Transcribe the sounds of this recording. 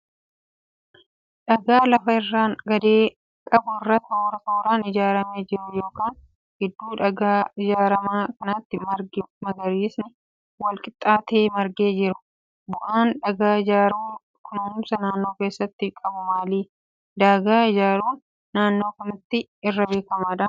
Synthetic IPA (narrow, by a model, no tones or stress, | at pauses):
ᶑɐɡaːlɐfɐɪrːaːnɡɐd̪eː | kʼɐbʊɪrːɐt̪hoːɾɐt̪oːɾaːnɪd͡ʒaːɾɐme̞ːd͡ʒɪɾʊjo̞ːkaːn | ɡ̥ɪd̪ːuːᶑɐɡaːɪd͡ʒaːɾɐmaːkɐnɐt̪ːɪmɐɾɡɪmɐɡɐɾiːsnɪ | wɐlkʼɪt̪ʼːaːt̪e̞ːmɐɾɡeːd͡ʒɪɾʊ | bʊʔaːnᶑɐɡaːɪd͡ʒaːɾɐ | kʰʊnɐʊmsɐnaːnːo̞ːkeːsːɐt̪ːɪkʼɐbʊmaːliː | d̪aːɡaːɪd͡ʒaːɾuːnː | aːnːo̞ːkɐmɪt̪ːɪ | ɪrːɐbe̞ːkɐmaːᶑɐ